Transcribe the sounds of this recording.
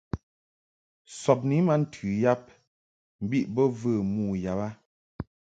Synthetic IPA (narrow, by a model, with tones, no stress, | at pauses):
sɔ˨p̬̚ni˨˦ma˦n̩˨tʰʉ˨ja˦p̚ | m̩˨bi˦ʔbɔ˦və˦˨muː˦˨ja˨ba˦